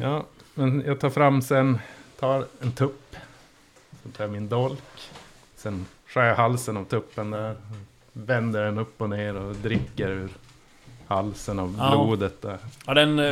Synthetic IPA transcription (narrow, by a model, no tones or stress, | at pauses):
jɑːmɛnjɑːɡt̪ʰɑːɾfɾamːsɛnt̪ʰɑːɾɛnt̪ʰɵpː | sɔmt̪ʰɑːɾmɪnd̪ɔlk | sɛnɧœːɾjahalsənavt̪ʰɵpːənd̪æɾ | vɛnd̪əɖɛnɵpːɔneːɾɔd̪ɾɪkːəɾʉ̟ːɾ | halsənavbluːd̪ət̪̚d̪æːɾhaɖɛn